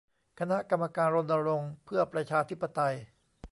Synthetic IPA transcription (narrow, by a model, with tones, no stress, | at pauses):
kʰa˧na˦˥ʔka˧mːaː˧kaː˧nɾo˧nːa˧ɾo˧ŋpʰɯ˥˩ɐpɾa˧t͡ɕʰaː˧t̪ʰi˦˥pːa˧t̪a˧j